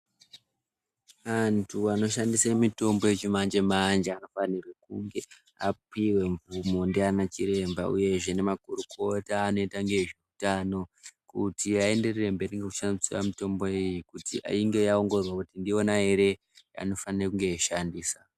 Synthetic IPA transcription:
ʋantʰuano̞ʃandisamito̞mbojet͡ʃimand͡ʒe̞mand͡ʒeano̞fanirwekuŋɡe̞ | apiwe̞ɱvumondianat͡ʃiɾe̞mbauje̞ʐe̞ne̞makuɾukʰo̞taːno̞itaŋɡe̞ʐiutano̞kutiae̞nde̞rerembeneŋɡekuʃansiwamito̞mbo̞ejikutiʔa̰iŋɡe̞jao̞ŋɡorerwakutindio̞naɦe̞ɾe̞ | a̰no̞fanirekuŋɡe̞iʃandiːsa

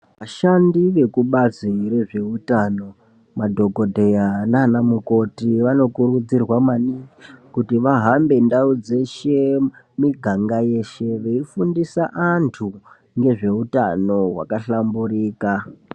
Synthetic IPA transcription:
ʋaʃandiʋe̞kuɓaziɾe̞ʐe̞utano̞ | madʱo̞ɡʱo̞dʱe̞jananamuko̞tiʋano̞kurud͡zirwamanikutiʋaɦambe̞ndaud͡ze̞ʃe̞ | miɡʱaŋɡaje̞ʃe̞ʋeifundisaʔantʰu | ŋɡe̞ʐe̞utano̞ɦwa̰kaɬambuɾiːka

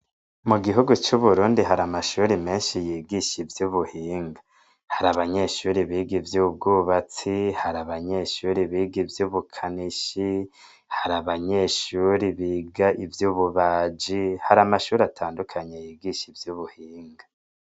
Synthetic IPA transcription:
muɡiɦuɡut͡ʃuβuɾuːndiɦaɾamaʃuːɾime̞ːnʃijiːɡiʃivjuβuhiːŋɡa | haɾaβaɲe̞ʃuːɾiβiːɡivjuːb̚ɡuːβat͡sihaɾaβaɲe̞ʃuːɾiβiːɡivjuːβukʰaniʃi | haɾaβaɲeʃuɾiβiːɡaʔivjuːβuβaːd͡ʒihaɾamaʃuːɾatʰaːndukʰaɲejiːɡiʃivjuβuhiːŋɡa

